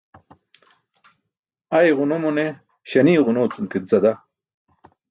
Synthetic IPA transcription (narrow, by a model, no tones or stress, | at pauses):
ajʁʊnomune | ɕɐniːʁunoːt͡sunkit̪zɐd̪a